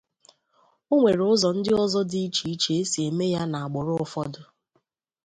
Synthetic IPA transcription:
o˦ŋʷe˨ɾʊ˦zɔ˨n̩˦dɪ˦ɔ˦zɔ˦di˦i˦t͡ʃi˨i˦t͡ʃe˨e˦si˨e˨me˦ja˦na˨a˨ɡ͡bʊ˨ɾʊ˦ʊ˦fɔ˦dʊ˦

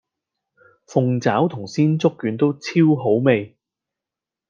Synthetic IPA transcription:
fʊ˨ŋt͡saː˨˥wt̪ʰʊ˨˩ŋsiː˥nt͡sʊ˥kːyː˨˥nt̪o˥wt͡sʰiː˥wɦo˨˥wme˨˧j

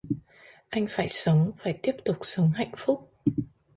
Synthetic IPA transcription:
ʔa˧jŋ̟faː˧˩jsə˨˦wŋ͡mfaː˧˩jt̪i˦˥əp̚t̪ʊ˨˩k͡p̚sə˨˦wŋ͡mɦa̰˧˨jŋ̟fʊ˦˥k͡p̚

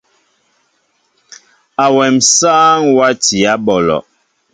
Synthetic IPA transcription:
a˨wɛ˨msaː˦ŋwa˦ti˨a˦bɔ˨lɔ̰˨ʔ

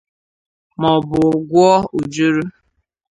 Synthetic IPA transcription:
mɔ˨bʊ˨ɡʷɔ˦u˨d͡ʒu˦ɾu˦

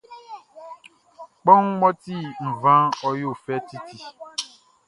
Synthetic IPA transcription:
k͡pɔ˦ŋ̩˦mɔ˦ti˦˨m̩˨vã˦ɔ˦jo˦˨fɛ˦ti˦ti˨

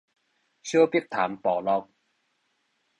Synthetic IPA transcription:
sjo˦˥pi˥k̚t̪ʰa̰ː˨˦mpɔː˨˩lɔ˧k̚

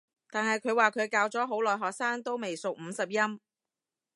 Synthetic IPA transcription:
t̪aː˨nhɐ˨jkʰɵ˨˧ɥwaː˨˩kʰɵ˨˧ɥkaː˧wt͡sɔː˨˥ɦo˨˥wlɔː˨˩jɦɔː˨k̚saː˥ŋt̪o˥wme˨jsʊ˨k̚m̩ː˨˧sɐ˨p̚jɐ˥m

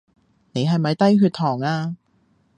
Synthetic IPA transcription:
ne˨˧jɦɐ˨jmɐ˨˧jt̪ɐ˥jɦyː˧t̪ʰɔː˨˩ŋaː˧

